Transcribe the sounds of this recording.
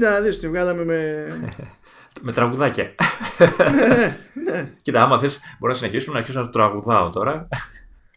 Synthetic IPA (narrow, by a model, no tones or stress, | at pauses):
d̪ɐðisot̪ivɣɐlɐmeme | me̞t̪ɾɐɣuðɐcɐ | enecit̪ɐɐmɐθesbo̞ɾinɐsine̞çisumenɐɾçisomnɐt̪t̪ɾɐɣuðɐot̪o̞ɾɐ